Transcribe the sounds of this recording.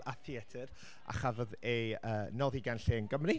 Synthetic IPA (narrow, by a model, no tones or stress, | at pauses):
aθiɛtʰɨɾ | a̰χavɔðeəːnɔðiɡanɬiənɡəmri